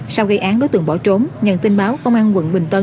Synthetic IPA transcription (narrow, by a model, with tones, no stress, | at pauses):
sa˧wɣə˧jʔaː˨˦nɗo˨˦jt̪ɨ˨˩ŋɓɔ˧˩t͡ɕo˨˦mɲə̰˧˨nt̪i˧nɓaː˨˦wkə˧wŋ͡mʔaː˧nwə̰˧˨nɓï˨˩ŋ̟t̪ə˧